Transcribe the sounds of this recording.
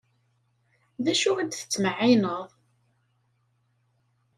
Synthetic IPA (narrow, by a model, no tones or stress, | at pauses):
ðæʃʊæd̪θə̥t͡sːməʕinəðˤ